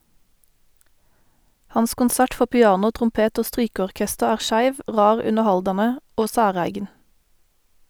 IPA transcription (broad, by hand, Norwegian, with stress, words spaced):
ˈhɑns kʊnˈsæʈ ˈfɔ pɪˈɑːnʊ tʁʊmˈpeːt ˈoː ˈstʁyːkəɔʁˌkɛstəʁ ˈæːʁ ˈʃæɪʋ ˈʁɑːʁ ˈʉnəʁˌhɑldɑnə ˈoː ˈsæːˌʁæɪɡn̩